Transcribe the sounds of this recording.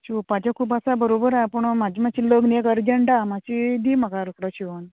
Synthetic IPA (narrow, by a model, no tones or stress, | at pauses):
ɕipad͡ʑakʰuːpasabəɾobəɾapəɳmad͡ʑiːmat͡ɕiləɡnekəɾd͡ʑəɳɖamat͡ɕid̪iːməkaɾəkɽəɕiʋən